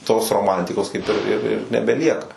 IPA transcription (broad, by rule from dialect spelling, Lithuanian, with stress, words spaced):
toːs roːˈmɐnʲtʲɪkoːs kɐɪp ɪr ɪr ɪr nʲɛbʲɛˈlʲiɛkɐ